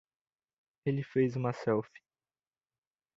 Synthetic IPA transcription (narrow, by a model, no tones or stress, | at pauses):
elɪfejzũmɐsɛwfi̥